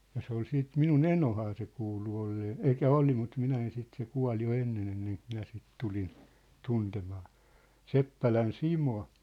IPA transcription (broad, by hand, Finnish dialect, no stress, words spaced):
jɑ se ol siːt minun enohɑː se kuːlu olːeː elĭkˑæ oli mut minæ en sit se kuɑ̝l jo enːen enːeŋk minæ sit tulin tuntemɑː sepːælæn simo